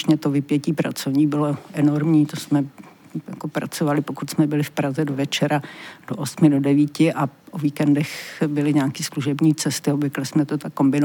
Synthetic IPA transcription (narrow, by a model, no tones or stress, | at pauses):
ʃɲɛt̪ovɪpjɛciːpɾa̰t͡sovɲiːbɪloʔɛno̞ɾmɲiːt̪osmɛjakopɾa̰t͡sovalɪpo̞kut̪smɛbɪlɪfpɾazɛdovɛt͡ʃɛɾad̥oʔosmɪdo̞dɛviːcɪʔaʔoviːkɛndɛxbɪlɪɲɛakiːsluʒɛbɲiːt͡sɛst̪ɪobvɪklɪsmɛt̪ot̪akːo̞mbɪno